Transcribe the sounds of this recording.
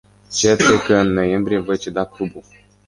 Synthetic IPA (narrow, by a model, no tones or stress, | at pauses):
t͡ʃetekəɨnːo̞je̞mbɾijevo̞jt͡ʃed̪aklubu